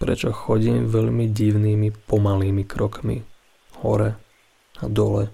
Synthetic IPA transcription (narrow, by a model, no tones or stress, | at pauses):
pɾɛ̰t͡ʃɔxɔɟiːmʋɛʎmiɟiʊniːmipɔmaliːmikɾɔkmḭ | hɔ̰ɾɛ | ad̪ɔlɛ